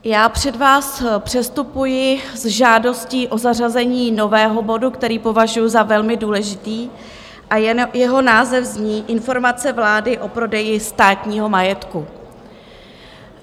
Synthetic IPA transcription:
jaːpr̝̥ɛdvaːspr̥ɛst̪upujɪzʒaːdo̞sciːʔo̞zarazɛɲiːno̞vɛːɦo̞bo̞dukt̪ɛɾiːpo̞vaʒujuzavɛlmɪduːlɛʒɪt̪iː | ʔajɛɦo̞naːzɛfzɲiːʔɪnfo̞ɾmat͡sɛvlaːdɪʔo̞pɾo̞dɛjɪst̪aːt̪ɲiːɦo̞majɛt̪ku

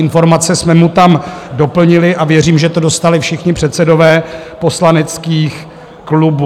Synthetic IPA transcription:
ɪnfo̞ɾmat͡sɛsmɛmut̪amdo̞pl̩ɲɪlɪʔavjɛriːmʒɛt̪o̞do̞st̪alɪfʃɪxɲɪpr̥ɛt̪sɛdo̞vɛːpo̞slanɛt͡skiːx | klubu

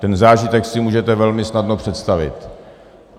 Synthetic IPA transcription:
t̪ɛnzaːʒɪt̪ɛksɪmuːʒɛt̪ɛvɛlmɪsnadnopr̝̥ɛt̪st̪avɪ̰t̪

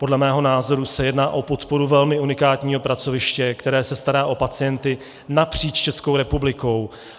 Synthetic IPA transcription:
po̞dlɛmɛːɦo̞naːzo̞ɾusɛjɛdnaːʔo̞po̞t̪po̞ɾuvɛlmɪunɪkaːt̪ɲiːɦo̞pɾat͡sovɪʃcɛkt̪ɛɾɛːsɛst̪aɾaːʔo̞pat͡sɪjɛnt̪ɪ | napr̝̥iːt͡ʃt͡ʃɛskowɾɛpublɪko̞w

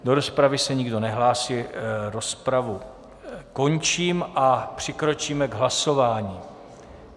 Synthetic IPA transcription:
do̞ɾo̞spɾavɪsɛɲɪɡdo̞nɛɦlaːsiːɾo̞spɾavu | ko̞nt͡ʃiːmʔapr̝̥ɪkɾo̞t͡ʃiːmɛɡɦlaso̞vaːɲiː

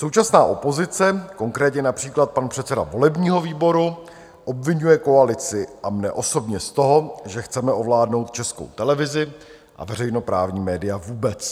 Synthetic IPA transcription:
so̞wt͡ʃasnaːʔo̞po̞zɪt͡sɛko̞ŋkɾɛːt̪ɲɛnapr̥iːklat̪̚panpr̥ɛt̪t͡sɛda̰vo̞lɛbɲiːɦo̞viːbo̞ɾu | ʔo̞bvɪɲujɛko̞alɪt͡sɪʔamnɛʔo̞so̞bɲɛst̪o̞ɦo̞ʒɛxt͡sɛmɛʔo̞vlaːdno̞wt̪̚t͡ʃɛsko̞̰wt̪ɛlɛvɪzɪ | ʔa̰vɛrɛjno̞pɾa̰ːvɲiːmɛːdɪjavuːbɛt͡s

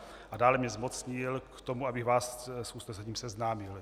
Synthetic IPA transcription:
ʔadaːlɛmɲɛzmo̞t͡sɲɪlkt̪o̞muabɪɣvaːssust̪ɛzaciːmsɛznaːmɪl

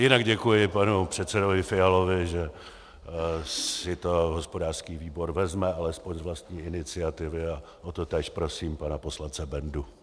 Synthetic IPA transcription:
jɪnaɡɟɛkujɪpanupr̝̥ɛt̪sɛdovɪfɪalovɪʒɛ | ssɪt̪oɦo̞spo̞daːr̥skiːviːbo̞ɾvɛzmɛalɛspoɲzvlast̪ɲiːɪnɪt͡sɪat̪ɪvɪa | ʔot̪ot̪ɛːʃpɾo̞siːmpanapo̞slant͡sɛbɛndu

